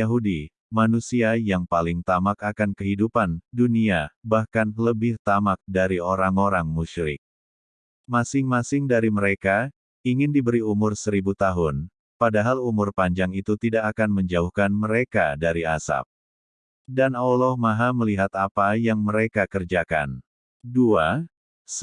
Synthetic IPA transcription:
aɦudi | manusiajaŋpalɪŋt̪amakakankəɦidupanduniabahkanləbɪht̪amak̚daɾioɾaŋoɾaŋmuʃɾɪ̰k̚ | masɪŋmasɪŋdaɾiməɾeka | iŋɪndibəɾiumʊrsəɾibut̪aɦʊn | padaɦalumʊrpaɲd͡ʒaŋit̪ut̪idakakanməɲd͡ʒauhkanməɾekadaɾiasa̰p̚ | danolɔhmaɦaməliɦat̪apajaŋməɾekakərd͡ʒaka̰n | dua | s

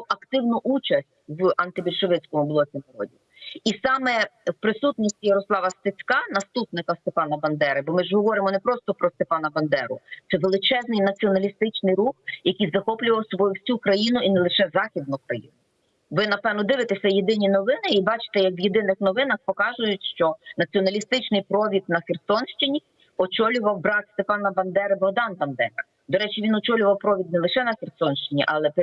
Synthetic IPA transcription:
ɐkt̪ɪwnʊʔut͡ʃɐsʲtʲwɐnt̪ɪbʲilʲʃɔʋɪt͡sʲkɔmublˠɔsʲimɐɾɔdʲi | isɑmɛwpɾɪsut̪nɔsʲtʲijɛɾɔslˠɑʋɐst̪ɪt͡sʲkɑnɐst̪upnɪkɐst̪epɑnɐbɐnd̪ɛɾɪbɔmɪʒɦɔʋɔɾɪmɔnɛpɾɔst̪ɔpɾɔst̪epɑnɐbɐnd̪ɛɾʊt̪ɛʋelˠɪt͡ʃɛznɪjnɐt͡sʲiɔnɐlʲist̪ɪt͡ʃnɪjɾuxjɐkʲijzɐxɔplʲʊʋɐwsɔbɔjʊwsʲukɾɐjinʊinɛlˠɪʃɛzɑxʲid̪̚nʊkɾɐjḭnʊ | ʋɪnɐpɛʋnɔd̪ɪʋɪt̪esʲɐjed̪ɪnʲinɔʋɪnɪibɑt͡ʃɪ̥t̪ɛjɐkʋjed̪ɪnɪxnɔʋɪnɐxpɔkɑʒʊjʊtʲʃt͡ʃɔnɐt͡sʲiɔnɐlʲist̪ɪt͡ʃnɪjpɾɔʋʲid̪̚nɐxʲersɔnʃt͡ʃɪnʲi | ɔt͡ʃɔlʲʊʋɐwbɾɑt̪st̪epɑnɐbɐnd̪ɛɾɪbɔɦd̪ɑnbɐnd̪ɛɾɐ̰ | d̪ɔɾɛt͡ʃiʋʲinɔt͡ʃɔlʲʊʋɐwpɾɔʋʲid̪̚nɛlˠɪʃɛnɐxʲersɔnʃt͡ʃɪnʲiʔɐlˠɛp

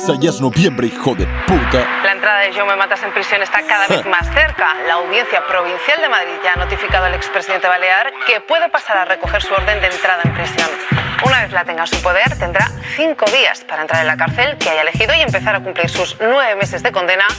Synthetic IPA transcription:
saʎaznoβjembɾeixoðḛpuɾt̪alaent̪ɾaðaðeʒowmemat̪ase̞mpɾisjo̞ne̞st̪akaðaβeθmasθe̞ɾkalaːwðje̞n̟θjapɾo̞β̞inθjald̪e̞maðɾiðʝaːno̞t̪ifikaðoele̞kspɾesiðent̪e̞βale̞aɾke̞pwe̞ð̞e̞pasaɾare̞ko̞xe̞ɾsuo̞ɾðe̞nd̪ent̪ɾað̞aempɾisjo̞nunaβe̞θlat̪e̞ŋɡansupo̞ð̞e̞ɾt̪e̞nd̪ɾaθiŋko̞ðia̰spaɾaent̪ɾaɾenlakaɾθe̞lkeajaele̞xiðoie̞mpeθaɾakumpliɾsuznwe̞βe̞me̞se̞zðe̞ko̞nd̪e̞na

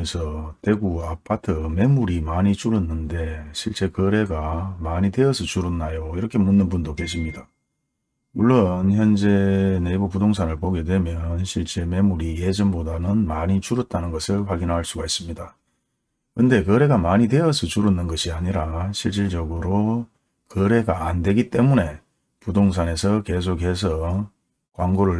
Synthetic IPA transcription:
esʰʌte̞ɡuapʰatʰɯme̞muɾimaɲit͡ɕuɾɯnːɯnde̞ɕʰiɭt͡ɕ͈e̞kɯɾe̞ɡamaɲide̞ʌsʰʌt͡ɕuɾɯnːajoiɾʌkʰe̞munːɯnbundokeɕ̬ʰimɲida | muɭːonçjʌnd͡ʑe̞neibupudoŋs̬ʰanɯɭpoɡe̞dwe̞mjʌnɕʰiɭt͡ɕ͈e̞me̞muɾije̞d͡ʑʌmbodanɯnmaɲit͡ɕuɾʌt̚t͈anɯnɡʌsʰɯɭɸwaɡinɦaɭs͈uɡais͈ɯmɲida | kɯnde̞kʌɾe̞ɡamaɲide̞ʌsʰʌt͡ɕuɾɯnːɯnɡʌɕʰiaɲiɾaɕʰiɭt͡ɕ͈iɭd͡ʑʌɡɯɾo | kʌɾe̞ɡaandwe̞ɡit͈e̞mune̞ | pudoŋs̬ʰane̞sʰʌke̞s̬ʰokɦe̞s̬ʰʌ | kwaŋɡoɾɯɭ

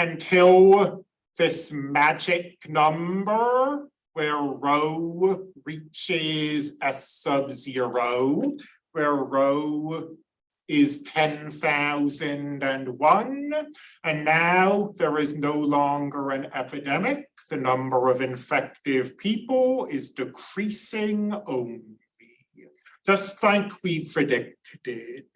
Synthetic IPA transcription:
ɨ̃ntʰɪlˠ | ðɪsmæd͡ʒɪk̚nʌ̃mbə˞ | wə˞ɹoʊɹit͡ʃɪzɨsʌbzɪɹoʊ | wə˞ɹoʊ | ɪz̥tʰɛ̃nθaʊzɨ̃ndɨ̃nwʌ̃n | ɨ̃nːaʊðə˞ɨznoʊlɔ̃ŋɡə˞ɨ̃nɛpɨdɛmɪk̚ðɨnʌ̃mbə˞ʌvɨ̃ɱfɛk̚tɪv̥pʰipl̩ˠɪzdɨkʰɹ̥isɪ̃ŋõʊ̃nli | d̥ʒ̥ʌstθaɪ̃ɪkʰwipʰɹ̥ɨdɪk̚ɾɪd̥̚

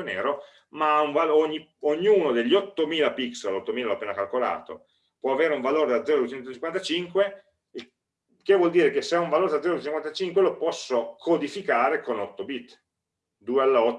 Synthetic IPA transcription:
neːɾo | maauɱvaloɲːioɲːuːnod̪eʎːɔt̪ːomiːlapiksalɔt̪ːomiːlaloapːeːnakalkola̰ːt̪o̰ | pwɔaveːɾeuɱvaloːɾed̪ad̪zɛɾd̪uet͡ʃɛnt̪ot͡ʃiŋkwant̪at͡ʃiŋkwe | i | kevwɔld̪iːɾek̟esːeaũɱvaloːɾed̪ad̪zɛɾod̪uet͡ʃiŋkwant̪at͡ʃiŋkwelopɔsːokʰod̪ifikaːɾekonɔt̪ːobit̪ː | d̪uːealːaɔ

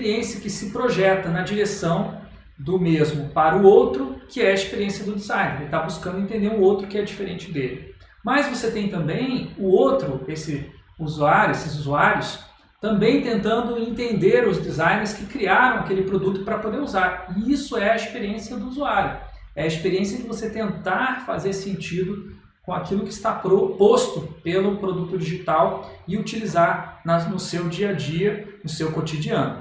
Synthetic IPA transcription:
sɾiẽsijɐkɪsɪpɾoʒɛt̪ɐnɐd͡ʒiɾesɐ̃w̃ | d̪ʊmezmʊpaɾɐʊowt̪ɾʊkɪɛɐispeɾiẽsiɐd̪ʊd̪izãj̃neelɪt̪abuskɐ̃nd̪ɪẽnt̪ẽnd̪eɾũowt̪ɾʊkɪɛd͡ʒifeɾẽnt͡ʃɪd̪elɪ | mɐzvoset̪ẽj̃t̪ɐ̃mbẽj̃ʊowt̪ɾʊesɪuzuaɾjʊesɪzuzuaɾjʊs | t̪ɐ̃mbẽj̃t̪ẽnt̪ɐ̃nd̪ʊẽnt̪ẽnd̪eɾʊzd͡ʒizãj̃neɾɪskɪkɾiaɾɐ̃w̃akelɪpɾod̪ut̪ʊpɾɐpod̪eɾuzaɾɪisʊɛɐispeɾiẽsiɐd̪ʊuzuaɾjʊ | ɛɐispeɾiẽsiɐd͡ʒɪvoset̪ẽnt̪aɾfazeɾsẽnt͡ʃid̪ʊ | kõakilʊkɪːst̪apɾopost̪ʊpelʊpɾod̪ut̪ʊd͡ʒiʒit̪awɪut͡ʃilizaɾnɐnʊsewd͡ʒiɐd͡ʒiɐnʊsewkot͡ʃ̪id͡ʒiɐ̃nʊ

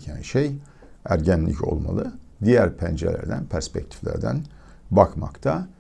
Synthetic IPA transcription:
cʰænʃej | æɾɟænlʲḭco̞̰lˠmalˠɯd̪ijæɾpʰænd͡ʒelʲæ̰ɾd̪ænpʰæɾspɛc̚t̪ʰi̥flʲæ̰ɾd̪æn | bakʰma̰kt̪ʰa

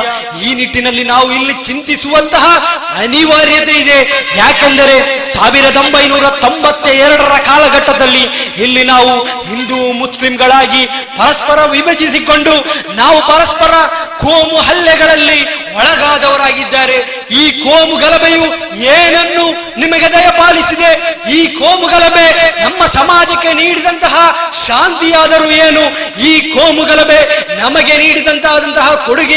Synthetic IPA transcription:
iːniʈːinɐlːinaːʋuilːit͡ʃint̪isuʋɐnt̪ɐɦɐ | ɐniʋaːɾjɐt̪e̞id̪e̞jaːkend̪ɐɾe̞saːʋiɾɐd̪o̞mbɐjnuːɾɐt̪o̞mbɐt̪ːeɛɾɐɽɐɾɐkaːlɐɡɐʈːɐd̪ɐlːiilːinaːʋuhind̪umuslimɡɐɭaːɡipɐɾɐspɐɾɐʋibɐd͡ʒisiko̞ɳɖunaːʋupɐɾɐspɐɾɐkʰoːmuɦɐlːɛɡɐɭɐlːiʋɔɭɐɡaːd̪ɐʋɐɾaːɡid̪ːaːɾe̞ | iːkoːmuɡɐlɐbeju | eːnɐnːu | nimɐɡed̪ɐjɐpaːlisid̪e̞iːkoːmuɡɐlɐbe̞nɐmːɐsɐmaːd͡ʒɐkːe̞niːɽid̪ɐnt̪ɐɦɐʃaːnt̪ijaːd̪ɐɾueːnu | iːkoːmuɡɐlɐbe̞nɐmɐɡe̞niːɽid̪ɐnt̪aːd̪ɐnt̪ɐɦɐkoɽuɡe

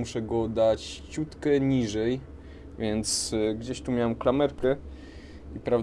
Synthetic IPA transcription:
uʂɛɡɔd̪at͡ɕt͡ɕut̪kɛɲiʐɛj | vʲjɛnt̪sɡd͡ʑeɕt̪umʲjawɛmklamɛɾkɛ | ipɾav

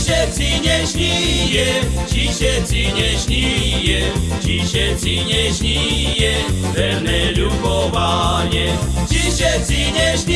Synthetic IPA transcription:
ɕɛt͡siɲɛɕɲijɛt͡ɕiɕɛt͡siɲɛɕɲijɛt͡ɕiɕɛt͡siɲɛɕɲijɛvɛnɛlukɔvaɲɛt͡ɕiɕɛt͡siɲɛɕɲ

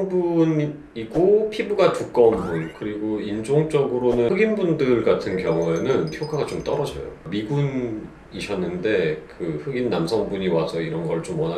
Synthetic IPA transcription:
ŋbun | iɡopʰibuɡatuk͈ʌnbunkɯɾiɡoind͡ʑoŋt͡ɕ͈ʌɡɯɾonɯɯɡinbundɯɭɡatʰɯnkjʌŋue̞nɯnpʰjokʰaɡat͡ɕomt͈ʌɾʌd͡ʑʌ̰jo̰miɡun | iɕʰʌnːɯnde̞kɯɸɯɡinːamsʰʌŋbuɲiwasʰʌiɾʌnɡʌɭt͡ɕ͈omwʌna

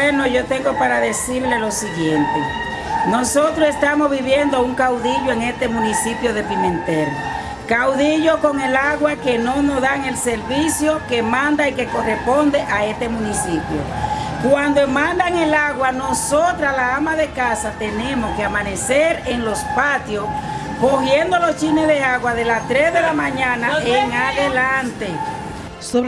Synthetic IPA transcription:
eno̞ʝo̞t̪e̞ŋɡo̞paɾaðe̞siɾlelo̞siɣje̞nt̪e | no̞so̞t̪ɾose̞st̪amo̞zβiβje̞nd̪o̞uŋkawðiʝoeŋe̞st̪e̞mũnisipjoðe̞pimẽ̞nt̪eɾo | kawðiʝoko̞ŋe̞laɣwake̞nonozðaŋe̞lse̞ɾβisjo̞ke̞mãnd̪aike̞ko̞respo̞nd̪eʔae̞st̪e̞mũnisipjo̰kwand̪omãnd̪aŋelaɣwano̞so̞t̪ɾalaamaðe̞kasat̪e̞nẽ̞mo̞skeamãne̞seɾe̞ŋlo̞spat̪jo̞s | koɣje̞nd̪olo̞st͡ʃinezðe̞aɣwaðe̞last̪ɾesðe̞lamãɲãnaeŋaðelant̪e

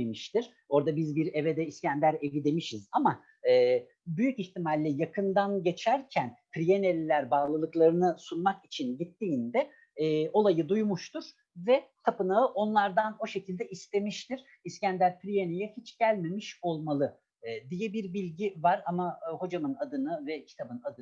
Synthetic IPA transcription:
emiʃt̪ʰiɾ̥ | o̞ɾd̪abizbiɾe̞ved̪ɛiscænd̪ʲæɾe̞vid̪e̞miʃizama | ɯː | byjyciçt̪imalʲːɛjakʰɯnd̪anɟe̞t͡ʃʰæɾcʰænpʰɾijenelʲlʲːæɾbaːlˠɯlˠɯklˠaɾɯnɯsunmakit͡ʃʰinɟit̪ʰːiːnd̪ɛː | o̞lˠajɯd̪ujmuʃt̪ʰuɾ̥ | vɛt̪ʰapɯnaɯʔo̞nlˠaɾd̪ano̞ʃe̞cʰilʲd̪ɛʔist̪e̞miʃt̪ʰiɾ̥ | iscænd̪ʲæɾpɾijenejɛhit͡ʃɟ̥ælʲme̞miʃo̞lˠmalˠɯː | d̪ijɛbiɾbilʲɟivaɾamaho̞d͡ʒamɯnad̪ɯnɯvɛcʰi̥t̪ʰabɯnad̪ɯ

